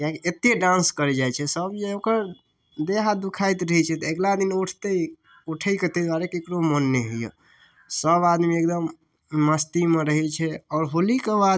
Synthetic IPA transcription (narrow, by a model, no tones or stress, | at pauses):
jakeet̪eɖãnskəɾɛd͡ʒajt͡ʃʰɛsəbd͡ʒeokəɾ | d̪eɦad̪ukʰajt̪ɾəɦɛt͡ʃʰɛt̪ɔeɡlad̪inuʈʰt̪ej | uʈʰəjket̪ed̪waɾekekɾomənːeɦəjə̰ | səbad̪miek̚d̪əmː | əst̪imeɾəɦɛt͡ʃʰɛɔːɾɦolikebad̪